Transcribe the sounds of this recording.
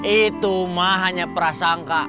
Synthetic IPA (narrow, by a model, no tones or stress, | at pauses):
it̪umaɦaɲapəɾasaŋka